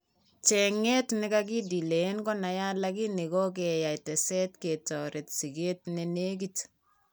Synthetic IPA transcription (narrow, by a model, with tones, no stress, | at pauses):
t͡ʃɛ˨ŋɛ˦tnɪ˦ka˦ki˦di˨le˨˦nkɔ˦na˨ja˦la˦ki˦ni˨kɔ˦k̬ɛ˨ja˨i˨tɛ˨sɛ˦tke˨tɔ˨ɾe˨tsi˨ɡe˦tnɪ˨ne˦k̬it